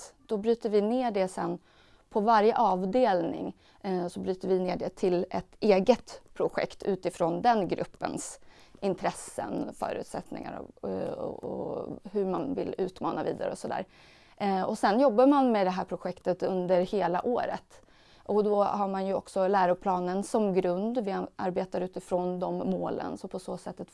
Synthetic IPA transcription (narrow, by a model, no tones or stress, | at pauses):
d̪̥ɔbɾyːt̪əɾvɪneːɖɛsɛnː | pʰɔvaɾjəʔɑːvd̪eːlnɪ̰ŋ | sɔbɾyːt̪əɾvɪneːɖɛt̪ʰɪlɛt̪eːɡət̪pʰɾʊɧɛ̰kt̪ʰʉ̟ːt̪ɪfɾɔnd̪ɛnɡɾʔɵ̰pːə̰ns | ɪnt̪ʰɾɛsːə̰nfœ̰ːɾʉ̟ːt̪sɛt̪nɪ̰ŋa̰ɾɔ̰ | ɔ̰hɵɾmanvɪ̰lʉ̟ːt̪mɑ̰ːnavḭːd̪a̰ɾəɔsɔd̪æ̰ːɾ | ɔsɛnjɔbːaɾmanmɛd̪ɛɦæːɾpʰɾʊɧɛkt̪ət̪ɵnd̪əɾheːla̰ʔoːɾə̰t̪ | ʔɔd̪ɔhaɾmanjɵɔksɔlæːɾʊpʰlɑːnənsɔmɡɾɵnd̪vɪʔaɾbeːt̪aɾʉ̟ːt̪ɪfɾɔːnd̪ɔmːoːlə̰nsɔpʰɔsoːsɛt̪ːat̪